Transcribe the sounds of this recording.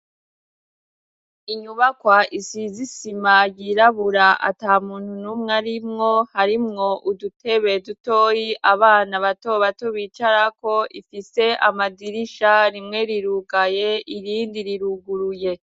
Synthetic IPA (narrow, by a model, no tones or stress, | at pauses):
iɲuβakwaʔisizisimajiɾaβuɾaʔa̰taːmuːnhunumŋaɾimŋo̞haɾimŋo̞ʔudute̞βe̞duto̞ːjiʔaβaːnaβato̞βatoβiːt͡ʃaɾako̞ʔifise̞ʔamadiɾiʃaɾimŋe̞ɾiɾuɡaje̞iɾiːndiɾiɾuɡuɾuje̞